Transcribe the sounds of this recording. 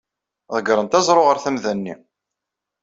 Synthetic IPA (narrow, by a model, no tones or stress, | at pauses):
ðˤəɡɾˤənt̪æzˤɾˤoʁəɾθæmðænːi